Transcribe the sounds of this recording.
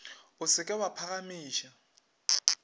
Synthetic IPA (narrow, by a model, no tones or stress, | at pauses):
ʊsɪkʼɪwapʰaɣamiːʃa